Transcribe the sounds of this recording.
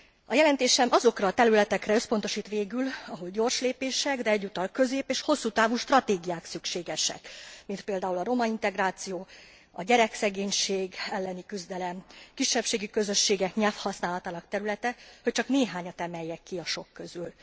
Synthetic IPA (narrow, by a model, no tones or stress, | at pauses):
ɒjɛlɛnt̪eːʃɛmʔɒzo̞krɒt̪ɛɾylɛt̪ɛkrɛø̞spo̞nt̪o̞ʃiːt̪ʋeːɡylɒɦo̞lɟo̞rʃleːpeːʃɛɡd̪ɛɛɟːut̪ɒlkø̞zeːpeːʃho̞sːuːt̪aːvuʃt̪rɒt̪eːɡijaːksykʃeːɡɛʃɛ̰kmint̪̚peːld̪aːulɒɾo̞mɒint̪ɛɡraːt̪sijoː | ɒ̰ɟɛɾɛksɛɡeːɲʃeːɡɛlːɛnikyzd̪ɛlɛmkiʃːɛpʃeːɡikø̞zø̞ʃːeːɡɛkɲɛlfhɒsnaːlɒt̪aːnɒkt̪ɛɾylɛt̪ɛhoc̚t͡ʃɒkneːɦaːɲɒt̪ɛmɛjːɛkːiɒʃo̞kːøzyl